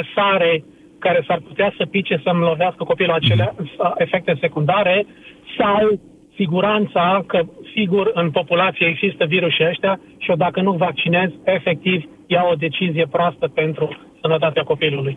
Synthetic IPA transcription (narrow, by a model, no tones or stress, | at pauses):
əsaɾe̞ | kaɾe̞sarput̪easəpit͡ʃesəmlo̞veaskəko̞piluat͡ʃe̞leae̞fe̞k̚t̪e̞se̞kund̪aɾe̞ | saw | siɡuɾant̪sakəsiɡurɨnpo̞pulat̪sijeeɡzist̪əviɾuʃiəʃt̪ea | ʃio̞d̪akənuvak̚t͡ʃine̞ze̞fe̞k̚t̪iv | jawod̪e̞t͡ʃizije̞pɾoast̪əpe̞nt̪ɾu | sənət̪at̪eako̞piluluj